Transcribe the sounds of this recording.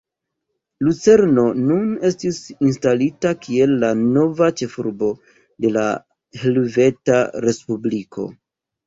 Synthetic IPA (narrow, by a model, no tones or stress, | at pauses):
lut͡se̞ɾno̞nune̞stisinstalitakʰie̞lːano̞vat͡ʃe̞fuɾbo̞ | de̞la̰ | helve̞taɾe̞spublikʰo̞̰